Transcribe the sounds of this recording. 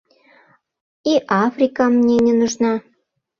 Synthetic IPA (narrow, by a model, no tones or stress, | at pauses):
iʔɑfrʲikɑmnʲenʲĕnuʒnɑ